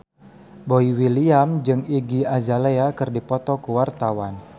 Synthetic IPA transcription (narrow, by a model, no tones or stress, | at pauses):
boiwiliamd͡ʒɨŋiɡiad͡ʒaleakɨrdipɔt̪ɔkuwart̪awan